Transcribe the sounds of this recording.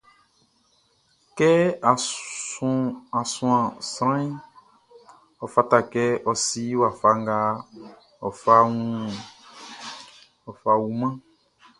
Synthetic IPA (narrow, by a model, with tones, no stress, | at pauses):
kɛ˦a˨˦ | a˨sũ˨ã˨sɾã˦i˦ | ɔ˨fa˦ta˨kɛ˦ʔɔ˨si˦wa˨fa˦ŋ˦ɡa˦ | ɔ˨fa˦ŋũ˦ | ɔ˨fa˨wu˨mã˦